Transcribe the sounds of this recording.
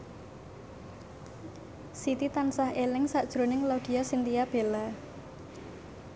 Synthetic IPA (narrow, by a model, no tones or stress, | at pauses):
sit̪it̪ansahelɪŋsaʔd̥ʒ̥ɾo̤nɪŋlaud̪̥i̤asint̪ijab̥ela